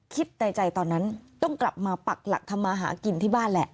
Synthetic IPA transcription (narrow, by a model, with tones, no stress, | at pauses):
kʰi˦˥t̪̚na˧jt͡ɕa˧jt̪ɔː˧nːa˦˥nt̪ɔ˥˩ŋkla˨˩p̚maː˧pa˨˩k̚la̰˨˩k̚t̪ʰa˧mːaː˧ɦa̰ː˩˦ki˧nt̪ʰiː˥˩baː˥˩nlɛ̰˨˧˩ʔ